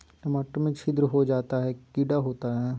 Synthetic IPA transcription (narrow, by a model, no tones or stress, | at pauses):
ʈɐməʈːəmẽt͡ʃʰɪd̪ɾəɦod͡ʒaːt̪aɦɛkɪɖaɦoːt̪aɦɛː